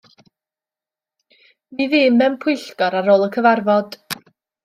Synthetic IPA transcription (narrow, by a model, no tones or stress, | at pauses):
miðɪmːɛmpʰʊɨɬɡɔɾaɾoːlˠəkʰəvarvɔd̥